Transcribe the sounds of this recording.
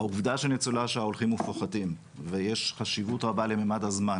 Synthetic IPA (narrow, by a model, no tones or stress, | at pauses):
auvdaʃelnet͡sulaʃeaolχimufoχadim | vejeʃχaʃivutʁabale̞memadazman